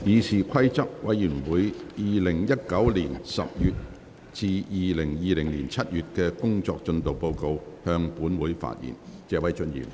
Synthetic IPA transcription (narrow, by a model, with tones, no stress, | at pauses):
jiː˨˧siː˨kʰɐ˥jt͡sɐ˥p̚wɐ˨˥jyː˨˩nwuː˨˥jjiː˨lɪ˨˩ŋjɐ˥t̚kɐ˨˥wliː˨˩nsɐ̰˨p̚jyː˨t̚ | t͡siː˧jiː˨˧lɪ˨˩ŋjiː˨˧lɪ˨˩ŋliː˨˩nt͡sʰɐ˥t̚jyː˨t̚kɛː˧kʊ˥ŋt͡sɔː˧k̚t͡ʃɵ˧nt̪o˨wpo˧wko˧whœː˧ŋpuː˨˥nwuː˨˥jfa̰ː˧t̚jḭː˨˩nt͡sɛː˨˧wɐ˨˥jt͡ʃɵ˧njḭː˨˩m